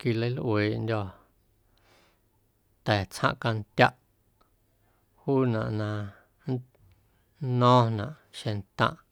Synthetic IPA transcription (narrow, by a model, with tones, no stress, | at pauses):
ki˧lə˦lʔweː˨ʔndʲɔ˧ | t̪ɛː˨t͡shã̰˦ʔka˧n˦t̪ʲja˦ʔ | huː˦nã̰˨ʔnã˧ | n˦ | nɔ̃ː˦nã˨ʔʃẽ˧nt̪ã̰˧˨ʔ